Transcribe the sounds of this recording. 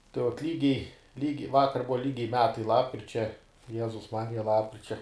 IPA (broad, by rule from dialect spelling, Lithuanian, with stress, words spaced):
tɐɪ ʋuɔt ˈlʲiːɡʲɛɪ ˈlʲiːɡʲɛɪ ˈʋɑːkɐr ˈbʊʋɐ ˈlʲiːɡʲɛɪ ˈmʲæːtɐɪ lˠɐpkrʲɪt͡ʃʲɛ ˈjæːzʊs ˈmɑːrʲɪjɛ ˈlˠɑːpkrʲɪt͡ʃʲɛ